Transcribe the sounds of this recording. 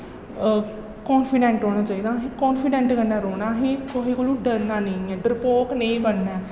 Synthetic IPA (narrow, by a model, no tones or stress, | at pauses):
kɔːnfʰɪɖɛ̃ːɳʈɾoːɽ̃aːt͡ʃaːiːd̪aːɦẽːkɔːnfɪɖɛ̃ːɳʈkənːɛːɾoːnaːɦẽːkoɦiːkolũːɖəɾnaːnəĩɛːɖəɾpoːkneĩːbənːɛː